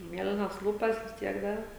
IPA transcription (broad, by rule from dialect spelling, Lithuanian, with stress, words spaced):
ˈmʲiɛlʲɪnɐs ˈlˠuːpɐs ʋʲɪs ˈtʲiɛk ˈdɐr